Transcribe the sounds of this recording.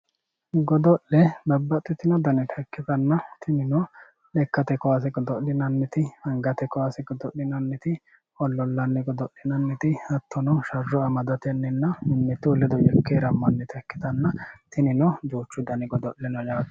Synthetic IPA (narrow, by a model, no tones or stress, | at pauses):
ɡɔd̪ɔʔlɛb̪ɐbːɐt̪ʼːɪt̪ɪnɔd̪ɐnɛt̪ʰɐkːɪt̪ɐnːɐt̪ʰɪnɪnɔ | lɛkːɐt̪ɛkɔwas̬ɛɡɔd̪ɔʔɪnɐnːɪt̪ɪɐŋɡɐt̪ɛkɔwasɛɡɔd̪ɔʔɪnɐnːɪt̪ɪ | ɔlːɔlːɐnːɛɡɔd̪ɔʔːɪnɐnːɪt̪ɪɐt̪ʰːɔnɔʃɐrːɔɐmɐd̪ɐt̪ɛnːɛnːɐmʊnːɛt̪ulɛd̪ɔjɛkːeɾɐmːɐnːɛt̪ʰɐkːɪt̪ɐnːɐt̪ɪnɪnɔd͡ʒuːt͡ʃːʊd̪ɐnɛɡɔd̪ɔʔlɛnɔjaːt̪